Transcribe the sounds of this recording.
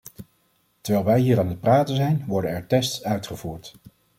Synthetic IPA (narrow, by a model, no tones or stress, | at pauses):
təɹʋɛjlˠʋɛjɦiːɾaːnət̚praːtənzɛjnʋɔɹdənɛɹtɛstsœɥtχəv̥uːɹt